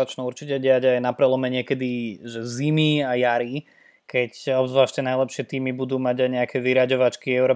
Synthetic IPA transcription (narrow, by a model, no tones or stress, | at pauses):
at͡ʃnuuɾt͡ʃicɛɟɪaɟajnapɾɛlɔmɛɲɪɛkɛd̪iʒɛzimiajaɾi | kɛcɔbzʋlaːʃcɛnajlɛpʃɪɛt̪iːmibud̪uːmaɟajɲɛakʰɛʋiɾaɟɔʋat͡ʃkiɛʊɾɔ